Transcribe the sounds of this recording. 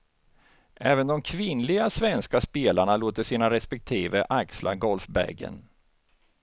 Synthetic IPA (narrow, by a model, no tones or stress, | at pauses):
ʔɛːvənd̪ɔmkʰvɪnlɪɡasvɛnskaspeːlaɳaloːt̪əsiːnaɾɛspɛk̚t̪ʰiːvəʔaksla̰ɡɔlfbæ̰ɡə̰n